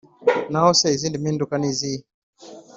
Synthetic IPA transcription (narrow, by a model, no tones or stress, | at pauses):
naɔsaizindimindukanizi